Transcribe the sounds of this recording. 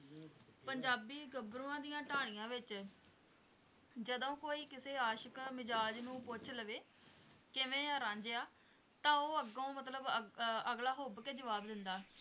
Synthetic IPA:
pəɲd͡ʒaːbiːɡəbɾũːãːd̪ijãːʈaːɽ̃ɪjãːʋɪt͡ʃ | d͡ʒəd̪õːkoːiːkɪseːaːʃəkmɪd͡ʒaːd͡ʒnũːpʊt͡ʃʰləʋeː | kɪʋẽːɾãːɲd͡ʒeːaː | t̪ãːoːəɡõːmət̪̬ləbəɡlaːɦoːbkeːd͡ʒəʋaːbd̪ɪnd̪aː

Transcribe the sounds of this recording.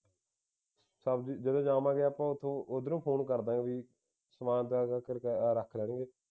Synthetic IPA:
səbid͡ʒəd̪õːd͡ʒaːmãːɡeːaːpãːʊt̪ʰːõːʔod̪nũːpʰoːnkəɾd̪ãːɡeʋiː | səmaːnt̪akəɾkɾəkʰləːɽẽːɡeː

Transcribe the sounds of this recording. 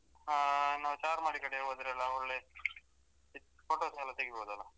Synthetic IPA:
anaːwt͡ʃaːɾmaːɽikɐɽebɐd̪ɾeɐlːɐoɭːe | poʈoːsɛlːɐt̪ɐɡiboːd̪uɐlːa

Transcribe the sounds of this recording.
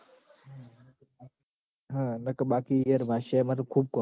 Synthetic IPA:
ɦãːnəkɓaːkiːijəɾmʱaːʃeːmət̪kʰuːb̚koː

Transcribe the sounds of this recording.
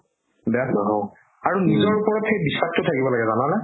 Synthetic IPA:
bɛaɦ | aɹunizɔɹupɔɹɔtxejbisak̚tʊtʰakibɔlaɡɛzanalɛ

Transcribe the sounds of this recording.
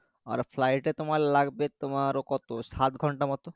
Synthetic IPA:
a̰ɾpʰlajʈet̪omaɾlaɡbet̪omaɾokɔt̪osat̪ɡʱɔɳʈamɔt̪o

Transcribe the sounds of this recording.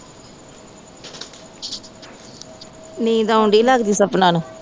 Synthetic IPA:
nĩːd̪aːʊɳɖiːlaɡd̪iːsəpnaːna

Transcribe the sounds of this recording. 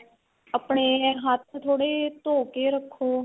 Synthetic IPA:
əpɳeːɦat̪ʰt̪ʰoːɽeːt̪oːkeːɾəkʰːoː

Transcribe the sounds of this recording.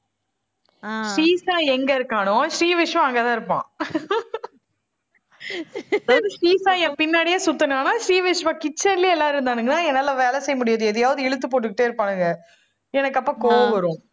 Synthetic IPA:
ʂiːsãːɛŋɡɐɪɾɯkːaːnʊ̃ʂɾiːʋɪʂʋɐ̃ɐŋɡɐt̪ãːɪɾɯpːã̰ː | ɐðɯʃɾiːsãːjɛ̃ːpɪnːaːɽɪjaːsʊt̪ːɐnaːnaːʃɾiːʋɪʂʋɐ̃ːkɪt͡ʃːɐnɪliɛlːaːɪɾɯnd̪aːnɯŋɡɐnãːɛnːɐlːaːʋeːlɛsɛjːɐmʊɽɪjaːðɯɛðɐjaːʋɐðɯɛɭɯt̪̬ːɯpoːʈːɯkːɪʈːeːɪɾɯpːaːnɯŋɡɐ | ɛnɐkːɐpːaːkoːʋɐʋɐɾʊ̃

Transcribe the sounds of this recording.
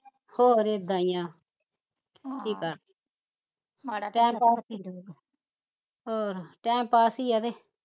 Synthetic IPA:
hoːɾeːd̪ãːjãː | ʈʰiːka | ʈɛ̃ːmpaː | ɦoːɾʈɛ̃ːmpaːsiːad̪eː

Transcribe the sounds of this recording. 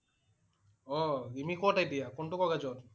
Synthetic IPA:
ɔimikoʈajd̪ijakoɳʈukɔɡad͡ʑɔn

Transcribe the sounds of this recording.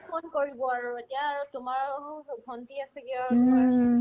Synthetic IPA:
pʰonkoɹibɔaɹuetijaːɹutʊmaɹɦũbʱɔntiasɛkiaɹtumaɹ

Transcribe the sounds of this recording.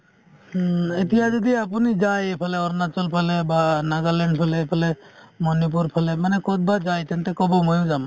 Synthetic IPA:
it̪ijazɔd̪iap̬unid͡ʒajepʰalɛɔɾnat͡ʃɔlpʰalɛbanaɡalɛɳɖpʰɛlɛpʰalɛ | mɔnup̬uɾpʰalɛmanɛkɔt̪̚bad͡ʒajt̪ɛnt̪ɛkɔbɔmɔjd͡ʒam

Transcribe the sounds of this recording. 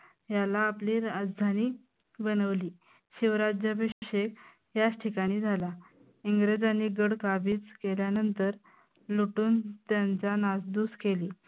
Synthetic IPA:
jalaːpliːɾad͡zd̪ʱaniː | bənəʋliː | ɕiʋɾad͡ʑjabiɕɕek̚ | jasʈʰikaɽ̃iːd͡zʱala | iŋɡɾed͡zaniːɡəɽkabʱiːt͡skeljanənt̪əɾ | luʈuːnt̪jant͡sanasd̪uːskeliː

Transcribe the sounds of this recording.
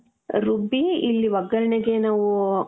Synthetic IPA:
ɾubiilːiʋɐɡɐɾɐɳeɡenaːʋu

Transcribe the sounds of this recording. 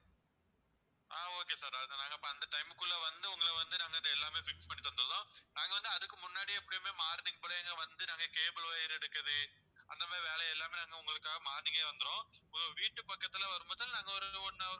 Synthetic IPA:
ʔaːoːkeːsaːɾɐðnaːŋɡɐpːɐɐnd̪ɐʈɐɪmɯkːʊɭːɐʋɐnd̪ɯʊŋɡɐɭɐʋɐnd̪ɯnaːŋɡɐɪd̪ɯɛlːaːmeːfɪkspɐɳːit̪ɐnd̪ɯɾɐðõːnaːŋɡɐʋɐnd̪ɯɐðɯkːɯmʊnːaːɽiɛpːɐɽɪjɐmeːmaːɾðɪŋɡɐpoːɽɐeːŋɡɐʋɐnd̪ɯnaːŋɡɐkeːbɐloːɛɾɛɽɯkːɐðɯ | ɐnd̪ɐmaːɾiʋeːɭɐjɛlːaːmeːnaːŋɡɐʊŋɡɐɭɯkːaːɣɐmaːnɪɣɐʋɐnd̪ɯɾõːɔɾɯʋiːʈːɯpɐkːɐt̪ːɪlɐʋɐɾɯmbɐːðɪlnãːŋɡɐɔɾɯɔnːɐ

